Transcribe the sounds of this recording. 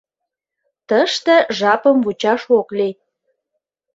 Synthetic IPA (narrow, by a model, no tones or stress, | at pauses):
t̪əʃt̪ĕʒɑpəmvut͡ɕɑʃokli